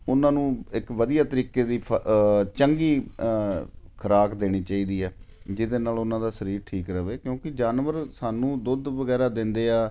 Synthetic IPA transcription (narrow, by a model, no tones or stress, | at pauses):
ʊnãːnũːɪkʋəd̪ijaːt̪əɾiːkeːd̪iːpʰt͡ʃəŋɡiː | kʰəɾaːkd̪eːɽ̃iːt͡ʃaːiːd̪iːɦɛː | d͡ʒɪd̪eːnaːlʊnãːd̪aːsəɾiːɾʈʰiːkɾəʋeːkjõːkɪd͡ʒaːnʋəɾsaːnũːd̪ʊd̪ʋəɡɛːɾaːd̪ɪnd̪eːaː